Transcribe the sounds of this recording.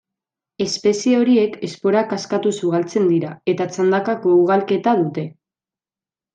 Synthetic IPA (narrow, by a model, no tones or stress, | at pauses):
e̞spe̞sieo̞ɾie̞kʰe̞spo̞ɾakaskat̪usuɣalt͡se̞nd̪iɾae̞t̪at͡sand̪akako̞uɣ̞alke̞t̪að̞ut̪e̞